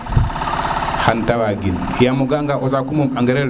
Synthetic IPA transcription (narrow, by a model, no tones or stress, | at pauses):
xantawaɡin | kijamuɡaŋɡaʔɔzakumumaŋɡɛɾɛɾ